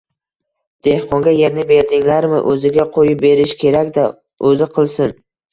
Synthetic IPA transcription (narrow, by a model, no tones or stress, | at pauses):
d̪̥e̞hqʰɒŋɡʲaje̞ɾnɪbe̞ɾd̪ɪŋlaɾmɪ̰ʔɵzɪɡʲaqʰojɪp̚be̞ɾɪʃkʲʰe̞ɾakʲd̪a | ɵzɪqʰɨlˠsɪn